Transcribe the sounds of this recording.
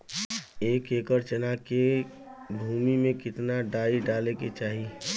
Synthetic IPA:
eːkeːkəɾt͡ʃənake | bʱuːmimẽkɪt̪naɖaːiɖaːleket͡ʃaːɦi

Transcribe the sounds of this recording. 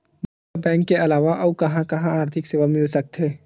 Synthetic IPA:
mɐ | abɛ̃ːŋkːeɐlaːʋaʔɔukɐɦãkɐɦãaːɾt̪ʰɪkseːʋamɪlsɐk̚t̪ʰeː

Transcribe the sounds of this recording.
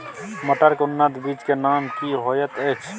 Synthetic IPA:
məʈ̪əɾkʊnːad̪biːd͡ʒkenaːmkiɦoːjət̪eːkt͡ʃʰ

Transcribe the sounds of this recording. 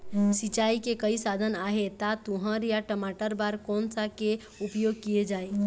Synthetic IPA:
sit͡ʃaikekəisad̪ʱənaɦet̪at̪uɦə̃ɾjaʈəmaʈəɾbaɾkɔːnsake | upjoɡ̚kijed͡ʒaːi

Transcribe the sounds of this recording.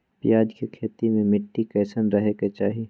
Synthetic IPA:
pjaːd͡ʒkekʰeːt̪imẽmɪʈːikɐːsənɾɐɦeket͡ʃaːɦi

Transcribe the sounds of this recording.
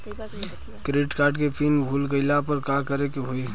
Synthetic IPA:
kɾeːʈkaːɾʈkepʰiːnbʱuːlɡəɪlapəɾkakəɾekeɦoiː

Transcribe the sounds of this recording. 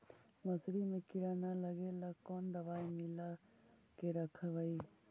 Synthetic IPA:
məsɾimekiɾanaləɡelakɔnd̪ɐʋajmilakeɾəkʰabaj

